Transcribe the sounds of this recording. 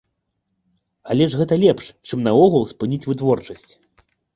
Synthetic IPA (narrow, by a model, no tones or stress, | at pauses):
alʲɛʐɣɛt̪ɐlʲɛpʂt͡ʂɨmnɐɔɣulˠspɨnʲit͡sʲvɨt̪vɔrt͡ʂɐsʲt͡sʲ